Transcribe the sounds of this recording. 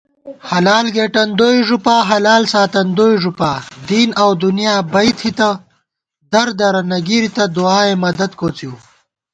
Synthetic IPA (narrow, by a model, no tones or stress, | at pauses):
hɐlaːlɡeːʈɐnd̪oːjʐupaːɦɐlaːlsaːt̪ɐnd̪oːjʐupaːd̪iːnɐwd̪unjaːbɐjt̪ʰhit̪ɐ | d̪ɐɾd̪ɐɾɐnɐɡiɾit̪ɐd̪uaːemɐd̪ɐd̪koːt͡siw